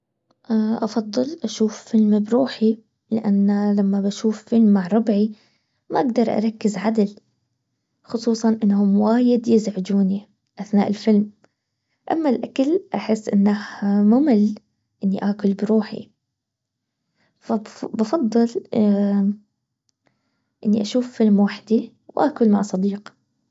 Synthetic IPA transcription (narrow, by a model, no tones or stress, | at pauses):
ʔʔɑfɑðˤːɨlʔaʃuːffɪlmbɾuːħi | lɪ̰ʔanːlamːabaʃuːfːɪlmːaʕɾˤɑbʕi | maʔaɡd̪ɑɾˤʔɑ̰ɾˤɑkːɪzʕad̪al | xʊsˤuːsˤɑnʔɪnːhʊmwaːjɪd̪jɪzʕɪd͡ʒuːni | ʔaθnaːʔɪlfɪlm | ʔa̰mːalʔakalʔaħɪsːʔɪnːahmʊmɪl | ʔɪnːiʔaːkʊlbɪɾuːħḭ | fabbɑfɑd̪ˤːɨl | ʔɪnːiʔaʃuːfːɪlmwaħd̪i | wʔaːkʊlmaʕsˤɑd̪iːq